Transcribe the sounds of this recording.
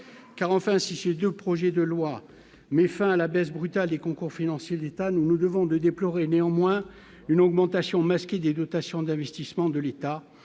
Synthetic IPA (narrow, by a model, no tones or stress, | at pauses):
kaʁɑ̃fɛ̃sised̪øpχɔʒɛd̪əlwa | mɛfɛ̃alabɛsbʁyt̪ald̪ekɔ̃kuʁfinɑ̃sjed̪et̪anunud̪əvɔ̃d̪əd̪eplɔʁeneɑ̃mwɛ̃ | ynɔɡmɑ̃t̪asjɔ̃maskʲed̪ed̪ɔt̪asjɔ̃d̪ɛ̃vɛst̪ismɑ̃d̪əlet̪a